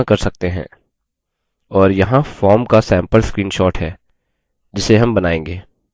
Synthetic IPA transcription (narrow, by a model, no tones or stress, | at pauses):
kɐɾsɐk̚t̪eɦɛ̰̃ː | ɔːɾjɐɦãfɔːɾmkasɛ̃ːmpəlskɾiːnʃɔːʈɦɛː | d͡ʒɪseɦɐmbɐnaːẽːŋɡeː